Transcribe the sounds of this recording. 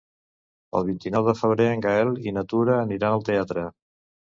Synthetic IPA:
ə̰lˠβ̞int̪inɔwðəfəβ̞ɾeəŋɡaɛlˠinət̪uɾəːniɾanəlˠt̪eat̪ɾə

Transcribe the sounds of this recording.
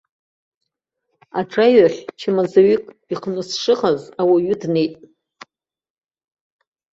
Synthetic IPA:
aʈ͡ʂʰʼajɥaχʲt͡ʃʰɪmazaɥikʼiqʰnɨsʂɨʁazawaɥɨdne̞jtʼ

